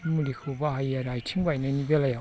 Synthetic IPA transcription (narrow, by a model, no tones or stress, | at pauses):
mulikʰɯbaɦajaɾajtʰiŋbajnanibelaja